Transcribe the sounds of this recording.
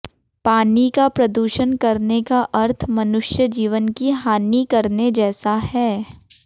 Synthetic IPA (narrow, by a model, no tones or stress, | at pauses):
paːnikapɾɐd̪uːʃənkɐɾnekaʔɐɾt̪ʰmɐnʊʃjəd͡ʒiːʋənkiɦaːnikɐɾned͡ʒɛːsaɦɛː